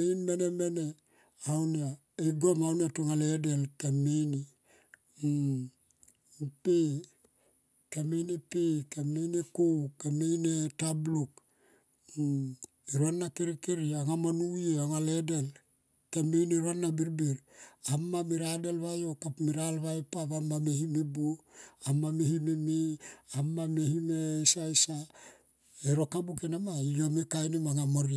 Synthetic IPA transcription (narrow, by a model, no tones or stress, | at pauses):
einmenemene | awnia | iɡomawniatuŋaledelkameni | pe | kamenepekamejnekukamejnetabluk | eɾuanːakeɾikeɾiaŋamonujeaŋaledel | kamejneɾoanːabiɾbiɾamːamiɾadelβajokapmiɾalβajepaβamːamehimebuamːamehimemiamːamehimesaesa | eɾokabukenamaijomekajnemaŋamoɾi